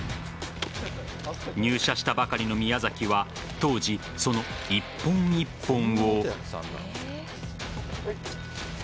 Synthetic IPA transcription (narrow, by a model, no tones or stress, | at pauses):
ɲ̟ɨːɕaɕi̥t̪abakaɾʲino̞mʲijazakʲiβa | t̪o̞ːʑi | so̞no̞ipːõ̞ɲɲipːõ̞ɰ̃o